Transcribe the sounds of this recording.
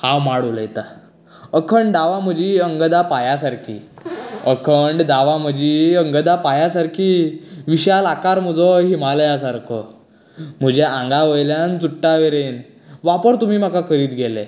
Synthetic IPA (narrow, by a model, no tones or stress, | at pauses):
hãwmaɽuləjt̪a | əkʰəɳɖd̪aʋam̤əd͡ʑiːəŋɡd̪apajasaɾkʰḭː | əkʰəɳɖd̪aʋam̤əd͡ʑiːəŋɡəd̪apajasaɾkʰiːʋiɕalakaɾməd͡zəɦimaljasaɾkʰə | m̤əd͡ʑeãŋɡaʋəjljant͡suʈːaʋeɾen | ʋapəɾt̪um̤iːm̤akakʰəɾiːt̪ɡʱele